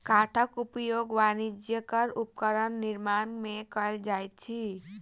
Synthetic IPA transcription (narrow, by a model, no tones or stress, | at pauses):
kaʈʰəkupjoɡʋanid͡ʒjəkəɾupkəɾənːiɾmanmekəɾd͡ʒajt̪̚t͡ʃʰi